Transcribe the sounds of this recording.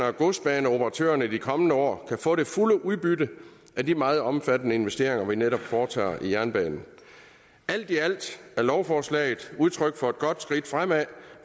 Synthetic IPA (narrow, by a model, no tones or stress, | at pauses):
ɐɡ̥o̝sd̥̚b̥ɛːnəo̝pʰəʁɑ̈t͡sʰø̰ːɐnəid̥ikʰɒ̽mənəɒ̰ːkʰæfɔ̰̽ːɾe̝fuləʔuðˠb̥ydə | ʔædimɑ̈ːð̩ˠɒ̽mfæd̥ənəe̝nʋesd̥e̝ɐ̰e̝ŋɐʋineɾɒ̽b̥fɒːt͡sʰɑ̰̈ːijæɐnb̥ɛ̰ːnn̩ | æl̰d̥iæl̰d̥æɐlɒʊfɒːslɛ̰ːɪð̩ˠuð̞ˠt͡sʰʁœɡ̥̚fɒ̽e̝d̥̚ɡ̥ɒ̽d̥sɡ̥ʁid̥fʁam̰æ